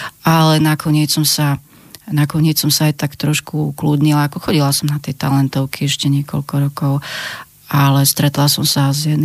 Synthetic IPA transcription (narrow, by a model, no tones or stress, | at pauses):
alɛnakʰɔɲɪɛt͡ssɔmsa | nakɔɲɪɛt͡ssɔmsaːjt̪akt̪ɾɔʃkukluːd̪ɲilaːkɔxɔɟilasɔmnat̪ɛjt̪alɛnt̪ɔʊkʰiɛʃcɛɲɪɛkɔ̰lkɔɾɔkɔʊ | alɛst̪ɾɛt̪lasɔmsazjɛn